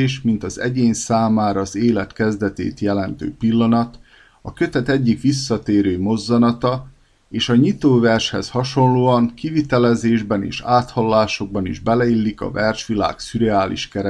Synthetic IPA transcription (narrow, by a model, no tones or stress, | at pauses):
eːʃmint̪ɒzɛ̰ɟeːɲsaːmaːɾɒːzeːlɛt̪kɛzd̪ɛt̪ḛːt̪jɛlɛnt̪ø̰ːpilːɒnɒt̪ | ɒkø̞t̪ɛt̪ɛɟːikʋisːɒt̪eːɾøːmo̞zːɒnɒt̪ɒ | eːʃɒɲit̪oːvɛrʃhɛshɒʃo̞nloːɒŋkivit̪ɛlɛzeːʒbɛnḛːʃaːt̪hɒlːaːʃo̞ɡ̚bɒnḭʒbɛlɛilːikɒ̰vɛrʃʋila̰ːksyɾɛaːlḭʃkɛɾɛ